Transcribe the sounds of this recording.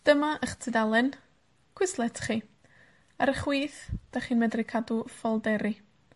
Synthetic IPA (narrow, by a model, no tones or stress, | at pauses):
d̥əmaʔəχtʰɪdalˠɨn | kʰwɪslˠɛtʰχi | aɾəχwiːθd̥aχiːnmɛdrɪkʰadufɔlˠdɛɾi